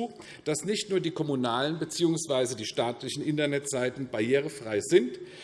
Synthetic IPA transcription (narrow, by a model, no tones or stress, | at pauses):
d̥asnɪçtnuːɐdiːkʰɔmunaːlənbət͡siːʊŋsv̥aɪzədiːʃtaːtlɪçn̩ʔɪntɐnɛtz̥aɪtn̩bajeːʁ̞əfʁ̥aɪzɪnt